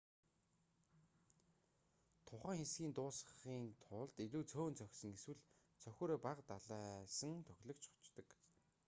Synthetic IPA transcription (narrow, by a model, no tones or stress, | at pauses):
t̪ʰʊχæːŋxesɡʲiːnt̪ʊːsəχiːnt̪ʰʊɮt̪iɮuːt͡sʰoːnt͡sʰœxʲsɵ̆ŋeswɘ̆ɮ | t͡sʰœxʲoːɾeːpaqt̪aɮaːsə̆ŋt̪ʰœxʲɮɵ̆kt͡ɕʊ̥t͡ɕt̪ə̆k